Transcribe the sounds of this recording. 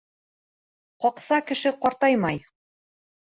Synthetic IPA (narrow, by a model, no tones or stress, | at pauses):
qɒqsɑkɘ̆ʃɘqɒɾt̪ɑjmɑj